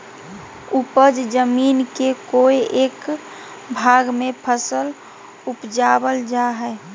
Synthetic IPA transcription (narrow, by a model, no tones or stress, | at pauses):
upəd͡ʒd͡ʒəminkekoeʔek | bʱaɡmepʰəsəl | upd͡ʒabəld͡ʒaɦɛ